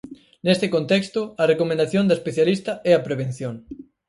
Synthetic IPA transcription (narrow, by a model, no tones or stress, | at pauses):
nest̪ɪkõnt̪ɛkst̪ʊɐrekomẽnd̪aθjond̪ɐespeθjalist̪ɐɛɐpɾeβ̞en̟θjoŋ